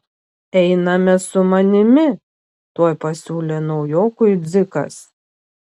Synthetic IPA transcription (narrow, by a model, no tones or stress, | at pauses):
ɛɪnɐmʲɛsʊmɐnʲɪmʲɪ | t̪uɔjpɐsʲuːlʲeːnɒʊjoːkʊjd̪zʲɪkɐ̰s